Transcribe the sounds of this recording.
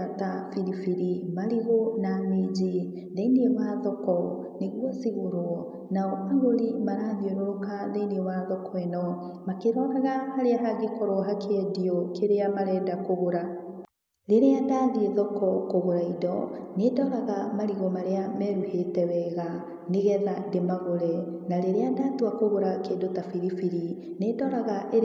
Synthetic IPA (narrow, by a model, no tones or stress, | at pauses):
atafiɾifiɾimaɾiɣonamed͡ʑi | ðeineewaːðɔkɔ | neɣwɔsiɣoɾoɔ | naɔʔaɣoɾimaɾaːðioɾookaðeneewaːðɔkɔɛnɔ | makeɾɔɾaɣahaɾeaɦaɡekɔɾɔɦakʰeɛdiɔkeɾeamaɾɛːdakoɣoɾa | ɾeɾeadaːðieðɔkɔkoɣoɾaidɔnedɔɾaɣamaɾiɣɔmaɾeamɛɾuhetɛwɛɣa | neɣɛðademaɣoɾɛnaɾeɾeadaːtwakoɣoɾakeːdotafiɾifiɾi | nedɔɾaɣaʔe